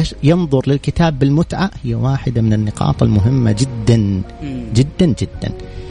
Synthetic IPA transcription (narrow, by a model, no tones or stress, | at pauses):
jɑnðˤʊɾlɪlkɪt̪aːbːɪlmʊt̪ʕaʔhɪjːawaːħɪd̪amɪnɪnːɪqɑ̰ːt̪ˤɪlmʊɦɪmːa̰d͡ʒɪd̪ːand͡ʒɪd̪ːand͡ʒɪd̪ːa̰n